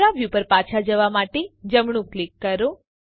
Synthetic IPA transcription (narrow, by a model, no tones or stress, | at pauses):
ɾaʋjupəɾpat͡ʃʰad͡ʒəʋamaʈed͡ʒəmɳ̃ũklikːəɾo